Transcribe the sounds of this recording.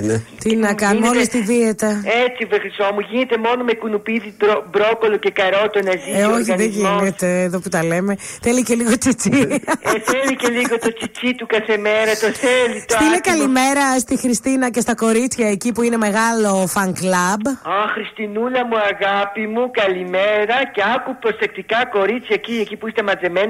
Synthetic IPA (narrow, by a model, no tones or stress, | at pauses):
t̪iiɐkɐnomolest̪iðiet̪ɐet͡sivexɾiso̞muʝinet̪e̞mo̞nome̞kunupiðiobɾo̞ko̞loce̞kɐɾo̞t̪onɐzioçiðeʝinet̪e̞ːðo̞put̪ɐle̞me̞θelice̞liɣot͡sit͡siθeliceliɣo̞t̪o̞t͡sit͡sit̪ukɐθemeɾɐt̪oθelit̪oinekɐlime̞ɾɐst̪ixɾist̪inɐce̞st̪ɐko̞ɾit͡sçɐecipuine̞me̞ɣɐlo̞fɐŋklɐbɐxɾist̪inulɐmuɐɣɐpimukɐlimeɾɐce̞ɐkupɾose̞kt̪ikɐko̞ɾit͡sçɐeciecipuist̪e̞mɐze̞menɐ